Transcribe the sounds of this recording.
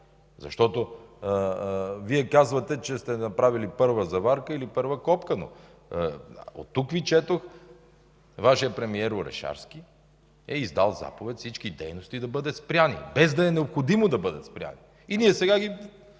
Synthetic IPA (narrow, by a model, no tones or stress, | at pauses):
zɐ̰ʃt̪ɔt̪o | viɛkazvɐt̪ɛt͡ʃɛst̪ɛnɐpɾavilipɤɾvəzɐvaɾkəilipɤɾvəkɔpkəno̰ | o̰t̪ːukvit͡ʃɛt̪ox | vaʃijəpɾɛmiɛɾoɾɛ̰ʃa̰ɾsk̟ʲi | ɛizd̪alˠza̰povɛt̪ʲfsit͡ʃkid̪ɛjnost̪id̪ɐbɤd̪ɛspɾʲjanḭbɛzd̪ɐɛnɛopxod̪imod̪ɐbɤd̪ɐt̪spɾʲja̰ni | iniɛsɛɡaɡi